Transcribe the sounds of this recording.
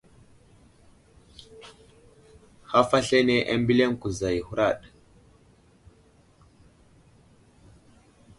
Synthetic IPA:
ha˦fa˦ɬe˦ne˨ʔa̰˦mbi˦le˦ŋku˨za˨ji˨hu˦ɾa˦˨ɗ

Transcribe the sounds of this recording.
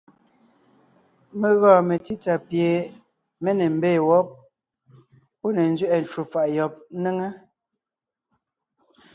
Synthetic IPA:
me˨ɣɔ̃ː˦˨me˨ti˦ta˨pje˨ | me˦ne˨m̩˦beː˦˨wɔ˦p̚ | po˦ne˨n̩˦zɥɛ˦ʔɛ˨n˨t͡ʃwu˨fa˨ʔjɔ˨p̚ne˦ŋe˦

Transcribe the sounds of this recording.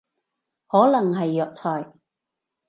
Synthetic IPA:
hɔː˨˥lɐ˨˩ŋɦɐ˨jːœː˨˧k̚t͡sʰɔː˨˩j

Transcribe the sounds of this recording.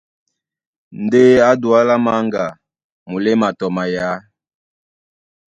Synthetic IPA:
nde˦a˦dwa˦la˦ma˦ŋɡa˨ | mu˨le˦ma˨tɔ˨ma˨ja˦

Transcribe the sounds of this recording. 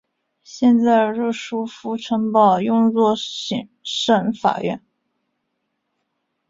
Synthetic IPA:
ɕjɛ˥˧nt͡sa˥˧ɪɻu˥˩ʂu˥fu˥ʈ͡ʂʰə˧˥npɑ˥˩ʊjʊ˥˧ŋt͡swɔ˥˩ɕi˨˩ŋʂə˥˩nfa̰˨˩ɥɛ̰˥˩n

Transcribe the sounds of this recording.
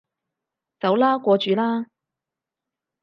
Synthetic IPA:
t͡sɐ˨˥wlaː˥kʷɔː˧t͡ʃyː˨˧laː˥

